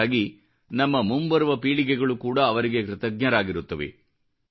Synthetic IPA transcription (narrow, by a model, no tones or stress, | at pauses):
aːɡi | nɐmːɐmumbɐɾuʋɐpiːɭikɛɡɐɭukuːɽɐːʋɐɾiɡe̞kɾɪt̪ɐɡɲɐɾaːɡiɾut̪ːɐʋḛ